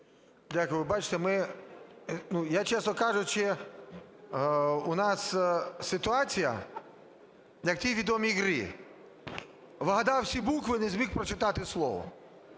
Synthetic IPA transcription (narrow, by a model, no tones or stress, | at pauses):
dʲakʊjʋɪbat͡ʃɪ̥t̪ɛmɪ | nujat͡ʃɛsnɔkɑʒʊt͡ʃɪ | unɑssɪt̪ʊɑt͡sʲijɐ̰ | jɐk̚t̪ʲiʋʲid̪ɔmʲiɣɾḭ | ʋɪɦɐd̪ɑwsʲibukʋɪnɛzʲmʲixpɾɔt͡ʃɪt̪ɑt̪ɪslˠɔ̰ʋɔ̰